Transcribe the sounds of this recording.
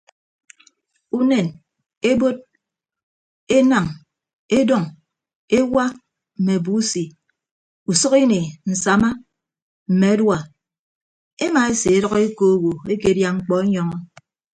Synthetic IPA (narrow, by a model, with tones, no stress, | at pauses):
u˦ne˨n | e˦bo˦d̚ | e˦na˨ŋ | e˦dɔ˦˨ŋ | e˦wa˦ | m̩˨me˨bu˦si˨ | u˨sʌ˦ki˦ne˨n̩˨sa˨ma˦ | m̩˨me˨a˦dwa˨ | e˦ma˨e˦se˨e˦ɾɔ˦ɣe˦ko˦wo˨e˦ke˨˦dja˦ŋ͡m̩˦˨k͡pɔ˦e˦ɲɔ˨ŋɔ˦